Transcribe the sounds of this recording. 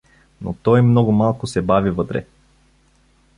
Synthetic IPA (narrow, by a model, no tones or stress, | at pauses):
no̰t̪ɔjmnɔɡʊmalˠkʊsɛbavivɤt̪ɾɛ̰